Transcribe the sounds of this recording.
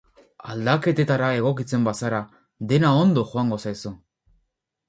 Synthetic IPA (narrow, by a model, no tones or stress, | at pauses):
ald̪ake̞t̪e̞t̪aɾae̞ɣ̞o̞k̬it͡se̞mbasaɾa | d̪e̞nao̞nd̪o̞xoaŋɡo̞sajsu